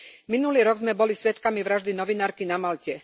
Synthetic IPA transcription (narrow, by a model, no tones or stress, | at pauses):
minuliːɾɔɡzmɛbɔlisʋɛt̪kamiʋɾaʒd̪inɔʋinaːɾkinamalcɛ